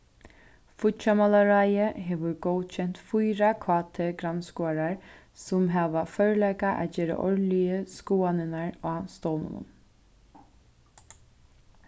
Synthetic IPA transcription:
fʊt̪t͡ʃamalaɾajəɦeʋʊɹɡɔwd̪t͡ʃʰɛn̥t̪fʊjɾakʰwaːt̪ʰɛɡɾanskuaɾaɹ | sʊmɦaːʋafœɹlɛkaʔæ̰ːd͡ʒeːɾa̰ʔɔ̰ɹlɪjəskuːanɪnaɹaːst̪ɔwnʊ̰nʊ̰n

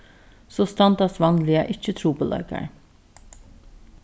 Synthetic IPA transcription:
soːst̪ɑnd̪ɑsʋɑnlɪɑ̰ʔɪçət̪ʰɾuːpʰoːlʔɑ̰ɪkɑ̰ɹ

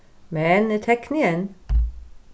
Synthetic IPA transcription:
mɛnt̪ʰɛknɪɛn

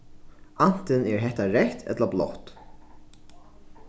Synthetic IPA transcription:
an̥t̪ɪnɛɹɦɛht̪aɹɛht̪ɛ̰t̪lablɔ̰ht̪

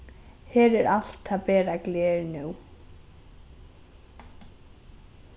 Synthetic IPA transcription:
hɛːɾɛɾʔal̥t̪aðpɛːɾaklɛːɾnuw

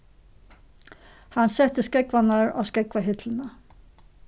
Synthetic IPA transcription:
hansɛt̪ːəskɛkvanaɹa̰wskɛkvaɦɪt̪lɪna

